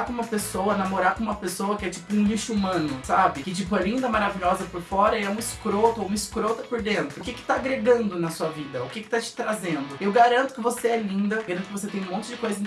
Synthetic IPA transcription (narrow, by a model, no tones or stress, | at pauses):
akõũmɐpesowɐnamoɾaɾkõũmɐpesowɐkɪɛt͡ʃi̥pʊũliʃʊumɐ̃nʊsabɪkɪt͡ʃipʊɛlĩnd̪ɐmaɾaviʎɔzɐpʊɾfɔɾɐiɛũmɐɪskɾot̪ʊoũmɐiskɾot̪ɐpʊɾd̪ẽnt̪ɾʊkɪkɪ̥t̪aːɡɾeɡɐ̃nd̪ʊnɐsuɐvid̪ɐʊkɪkɪ̥t̪at͡ʃɪ̥t̪ɾazẽnd̪ʊewɡaɾɐ̃nt̪ʊ̥kɪvoseɛlĩnd̪ɐɡaɾɐ̃t̪ʊkɪvoset̪ẽj̃ũmõt͡ʃɪd͡ʒɪkojzɐ̃